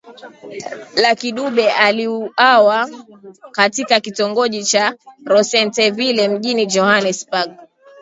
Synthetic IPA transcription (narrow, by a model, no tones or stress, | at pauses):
lakiɗuɓɛʔaliuawa | katikakitɔŋɡɔʄit͡ʃaɾɔsɛntɛvilɛm̩ʄinid͡ʒɔhanɛsbaɡ̚